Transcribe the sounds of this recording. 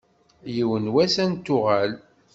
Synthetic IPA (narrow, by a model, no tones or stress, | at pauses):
jiwənwæsænt̪ːʊʁæl